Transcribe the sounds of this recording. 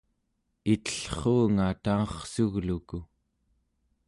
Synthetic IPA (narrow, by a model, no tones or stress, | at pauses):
it̪ə̥ɬχoːŋat̪aɑχsuɣluku